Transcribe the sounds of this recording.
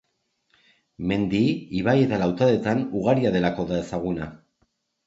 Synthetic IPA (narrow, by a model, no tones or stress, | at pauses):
me̞nd̪iiβaje̞t̪alawt̪aðe̞t̪anuɣaɾiaðe̞lako̞ðae̞saɣ̞una